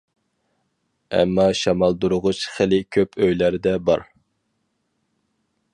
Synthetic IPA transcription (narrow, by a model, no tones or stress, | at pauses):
ɛ̰mːɑʃɑmɑlˠd̪uɾʊʁʊʃχɪlɪkʲʰøpʰøjlæɾd̪ɛbɑ̰ɾ